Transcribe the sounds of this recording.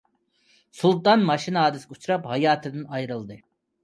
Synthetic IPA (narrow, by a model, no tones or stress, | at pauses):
sulˠt̪ɑnmɑʃinɑːd̪isɡut͡ʃʰuɾɑphɑjɑːt̪ʰɯd̪ɯnɑjɾɯlˠd̪ɨ